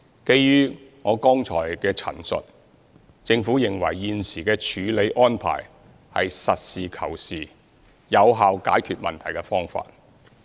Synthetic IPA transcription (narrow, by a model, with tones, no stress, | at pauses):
ke˧jjyː˥ŋɔː˨˧kɔː˥ŋt͡ʃʰɔ̰ː˨˩jkɛː˧t͡sʰɐ̰˨˩nsɵ̰˨t̚ | t͡sɪ˧ŋfu˨˥jɪ˨ŋwɐ̰˨˩jːiː˧nsiː˨˩kɛː˧t͡ʃʰyː˨˧le˨˧jʔɔː˥npʰa̰ː˨˩j | hɐ̰˨jsɐ˨t̚siː˨kʰɐ̰˨˩wsiː˨ | jɐ˨˧wɦaː˨˧wkaː˨˥jkʰyː˨t̚mɐ˨nt̪ʰɐ˨˩jkɛː˧fɔː˥ŋfa̰ː˧t̚